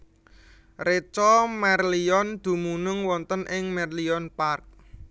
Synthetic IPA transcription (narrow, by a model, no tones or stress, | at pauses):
ret͡ʃɔmɛrliɔnd̪̥ṳmunʊŋwɔnt̪ənʔɪŋmɛrliɔnpark̚